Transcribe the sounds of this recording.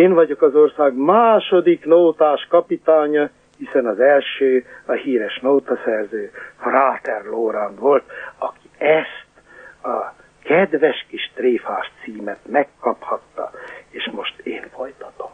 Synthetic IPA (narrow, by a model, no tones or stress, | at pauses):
eːɱvɒɟo̞kɒzo̞rsaːɡmaːʃo̞d̪iknoːt̪aːʃkɒpit̪aːɲɒ | hisɛnɒzɛlʃøːɒhiːɾɛʃnowt̪ɒsɛrzøːfraːt̪ɛrloːɾaːnvo̞lt̪ɒki̥ɛst̪ | ɒ | kɛd̪ʋɛʃkiʃt̪reːfaːʃt̪siːmɛt̪mɛkːɒphɒt̪ːɒ̰eːʃmo̞ʃt̪eːnfo̞jt̪ɒ̥t̪om